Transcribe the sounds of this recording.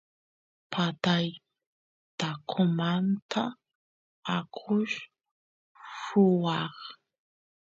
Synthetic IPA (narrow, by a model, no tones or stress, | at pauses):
pʰat̪aj | t̪akʰʊmant̪ʰa | akʰʊʃ | ʂʊwɑχ